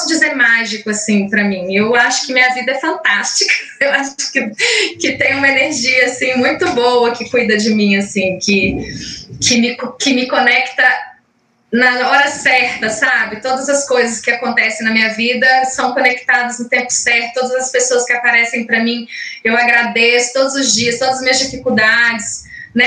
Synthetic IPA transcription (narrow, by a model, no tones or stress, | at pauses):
sʊd͡ʒizeɾmaʒikʊasĩpɾɐmĩewaʃʊ̥kɪmĩɲɐvid̪ɐɛfɐ̃nt̪ast͡ʃikɐ̥ewaʃʊ̥kɪkɪt̪ẽj̃ũmɐeneɾʒiɐasĩmũj̃t̪ʊbowɐkɪkujd̪ɐd͡ʒɪmĩasĩkɪ | kɪmɪkkɪmɪkõnɛkt̪ɐ | nɐɔɾɐsɛɾt̪ɐsabɪt̪od̪ɐzɐskojzɐskɪakõnt̪ɛsẽj̃nɐmĩɲɐvid̪ɐsɐ̃w̃kõnekt̪ad̪ɐznʊt̪ẽmpʊ̥sɛɾt̪ʊt̪od̪ɐzɐspesoɐskɪapaɾɛsẽj̃pɾɐmĩewaɡɾad̪esʊ̥t̪od̪ʊzʊzd͡ʒiɐst̪od̪ɐzɐzmiɲɐzd͡ʒifikud̪ad͡ʒɪs | nɛ